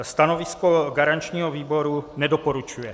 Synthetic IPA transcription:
st̪anovɪskoɡaɾant͡ʃɲiːɦoviːbo̞ɾunɛdopoɾut͡ʃujɛ

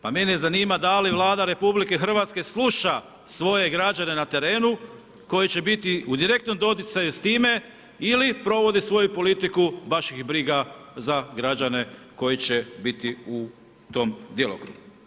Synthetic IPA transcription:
pame̞nezaniːmad̪aliʋlˠaːd̪aɾe̞publike̞xr̩ʋat̪ske̞slˠuʃa | sʋo̞je̞ɡɾad͡ʑane̞nat̪e̞ɾe̞ːnu | ko̞jit͡ɕe̞bit̪iud̪iɾe̞k̚t̪no̞md̪o̞t̪̬it̪sajust̪iːme̞ | ilipɾo̞ʋo̞d̪isʋo̞jupo̞lit̪ikubaʃjixbɾiɡazaɡɾad͡ʑane̞ | ko̞jit͡ɕe̞bit̪iu | t̪o̞md̪jelˠo̰kɾṵɡu

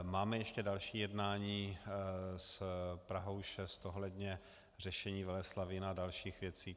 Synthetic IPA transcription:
maːmɛjɛʃcɛdalʃiːjɛdnaːɲiː | spɾaɦowʃɛst̪oɦlɛdɲɛ | r̝ɛʃɛɲiːvɛlɛslavɪnadalʃiːxvjɛt͡siː

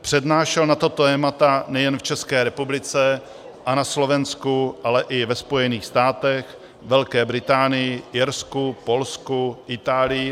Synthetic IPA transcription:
pr̝̥ɛdnaːʃɛlnat̪ot̪oɛmat̪anɛjɛnft͡ʃɛskɛːɾɛpublɪt͡sɛ | ʔanaslo̞vɛnskuʔalɛʔɪvɛspo̞jɛniːxst̪aːt̪ɛx | vɛlkɛːbɾɪt̪aːnɪjɪɪɾskupo̞lskuʔɪt̪aːlɪjɪ

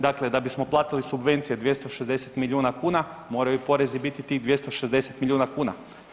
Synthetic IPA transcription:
d̪akle̞d̪abismo̞plˠaːt̪ilisubʋe̞nt̪sije̞d̪ʋje̞st̪oʃezd̪e̞set̪milʲuːnakuːnamo̞ːɾajupo̞ɾe̞zibit̪it̪iːd̪ʋje̞st̪oʃezd̪e̞se̞t̪milʎʲuːnakuːna̰

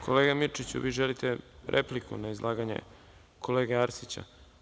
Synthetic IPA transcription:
kʰoleːɡamit͡ʃit͡ɕṵʋiːʒelit̪eɾʔeplikʰṵnaizlˠʔaːɡaɲḛ | kʰoleːɡeaɾsit͡ɕa̰

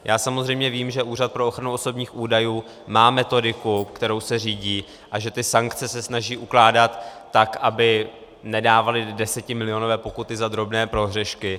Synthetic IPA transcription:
jʔaːsamo̞zrɛjmɲɛviːmʒɛʔuːrat̪̚pɾo̞oxɾanuoso̞bɲiːxʔuːdajuː | maːmɛt̪o̞dɪkukt̪ɛɾo̞wsɛr̝iːɟiː | ʔaʒɛt̪ɪsaŋkt͡sɛsɛsnaʒiːʔuklaːdat̪ː | akʔabɪ | nɛdaːvalɪdɛsɛcɪmɪlɪo̞novɛːpo̞kut̪ɪzad̪ɾo̞bnɛːpɾo̞ɦr̝ɛʃkɪ

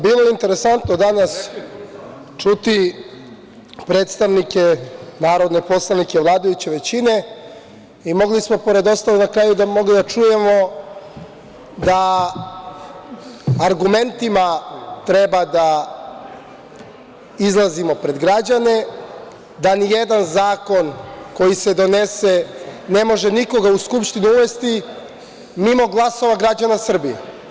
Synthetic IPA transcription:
biːlˠojeint̪e̞ɾe̞sant̪no̞d̪anas | t͡ʂut̪i | pɾe̞ːt̪st̪aʋnike̞naːɾo̞d̪ne̞po̞slˠanikeʋlˠaːd̪ajut͡ɕe̞ʋe̞t͡ɕine̞ | imo̞ɡlismo̞po̞ɾe̞d̪o̞st̪alenakɾaːjud̪amo̞ɡlid̪at͡ʂuje̞mo̞ | d̪a | ɾɡume̞nt̪imat̪ɾe̞bad̪a | izlˠazimo̞pɾe̞d̪ɡɾad͡ʑane̞ | d̪anije̞d̪anzaːko̞nko̞jise̞d̪o̞ne̞se̞ne̞mo̞ʒe̞niko̞ɡauskupʃt̪iniuʋe̞st̪i | mimo̞ɡlˠaso̞ʋaɡɾad͡ʑanasr̩bije

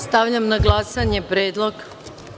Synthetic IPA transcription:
st̪aʋʎamnaɡlˠasaɲe̞pɾeːd̪lˠo̞ɡ

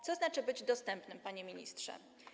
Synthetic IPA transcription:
t̪sɔznat͡ʂɘbɘd͡ʑd̪ɔst̪ɛmpnɘmpaɲemʲiɲḭst̪ʂɛ̰

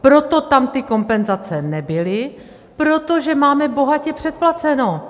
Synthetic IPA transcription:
pɾo̞t̪o̞t̪amt̪ɪko̞mpɛnzat͡sɛnɛbɪlɪ | pɾot̪oʒɛmaːmɛbo̞ɦacɛpr̥ɛt̪̚plat͡sɛno

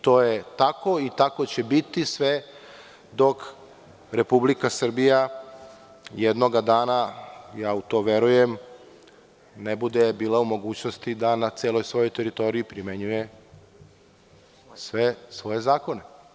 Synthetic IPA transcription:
t̪o̞ːjet̪ako̞it̪ako̞t͡ɕebit̪isʋe | d̪o̞k | ɾe̞publikasr̩bija | jed̪no̞ɡad̪aːnajaːut̪o̞ʋe̞ɾujem | nebud̪ebiːlˠaumo̞ɡuːt͡ɕnost̪id̪anat̪seːlo̞jsʋo̞jojt̪eɾit̪o̞ɾijipɾimeɲuje | sʋesʋo̞je̞zaːko̞ne̞

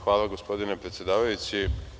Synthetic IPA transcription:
ʋaːlˠaɡospo̞d̪inepɾet̪sje̞d̪aːʋajusi

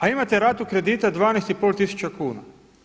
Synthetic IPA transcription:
aimat̪eɾaːt̪ukɾe̞d̪iːt̪ad̪ʋaːnest̪ipoːlʲˠt̪isu̥t͡ʃakuːna̰

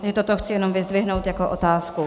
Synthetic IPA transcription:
ʒɛt̪ot̪oxt͡sɪjɛno̞mvɪzdvɪɦnowt̪jakoʔot̪aːsku

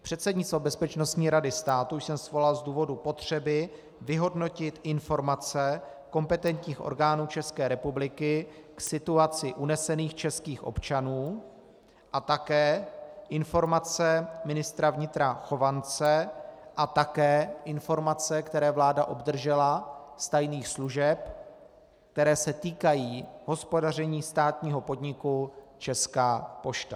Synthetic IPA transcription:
pr̥ɛt̪sɛdɲɪt̪st̪vo̞bɛspɛt͡ʃno̞st̪ɲiːɾadɪst̪aːt̪uuʃsɛmsvo̞lalzduːvo̞dupo̞t̪r̝̥ɛbɪ | vɪɦo̞dno̞cɪt̪ʔɪnfo̞ɾmat͡sɛ | ko̞mpɛt̪ɛnt̪ɲiːxʔo̰ɾɡaːnuːt͡ʃɛskɛːɾɛpublɪkɪksɪt̪uat͡sɪʔunɛsɛniːxt͡ʃɛskiːxʔo̞̰pt͡ʃanuː | ʔat̪akɛːʔɪnfo̞ɾmat͡sɛmɪnɪst̪ɾavɲɪt̪ɾaxo̞vant͡sɛʔat̪akɛːʔɪnfo̞ɾmat͡sɛkt̪ɛɾɛːvlaːdaʔo̞bd̪r̩ʒɛlast̪ajniːxsluʒɛp | k̚t̪ɛɾɛːsɛt̪iːkajiːɦo̞spo̞dar̝ɛɲiːst̪aːt̪ɲiːɦo̞po̞dɲɪkut͡ʃɛskaːpo̞ʃt̪a

